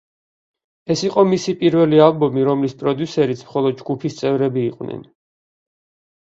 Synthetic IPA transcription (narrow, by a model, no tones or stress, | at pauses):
ɛsiqʼɔmisipʼiɾvɛlialˠbɔmiɾɔmlispʼɾɔd̪jusɛɾit̪sʰmχɔlˠɔd̪̚d͡ʒɡupʰist̪sʼɛvɾɛbiːqʼwnʔɛ̰n